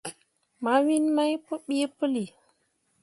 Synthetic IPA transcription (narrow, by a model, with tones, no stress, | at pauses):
ma˨˦wi˦nma˦jpə˦ɓi˦pə˦li˨